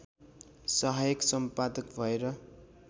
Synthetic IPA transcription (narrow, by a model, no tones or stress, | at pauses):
sʌɦajʌksʌmpad̪ʌkbʱʌeɾʌ